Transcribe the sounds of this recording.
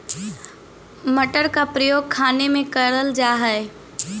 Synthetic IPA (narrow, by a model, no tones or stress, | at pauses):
mɐʈəɾkapɾəjoːɡ̚kʰaːnemẽkɐɾəld͡ʒaːɦɛe